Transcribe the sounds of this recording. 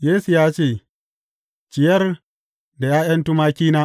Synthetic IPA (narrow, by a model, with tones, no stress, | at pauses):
jeː˦su˨jaː˦t͡ʃeː˦˨ | t͡ʃɪ˨jɐ˦r | da˨jaː˦jɐ˦ntu˦maː˦kʲiː˦naː˦